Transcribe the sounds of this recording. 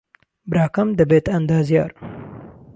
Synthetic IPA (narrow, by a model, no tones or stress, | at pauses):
bɾaːkɐmd̪ɐbet̪ɐnd̪aːzija̰ːɾ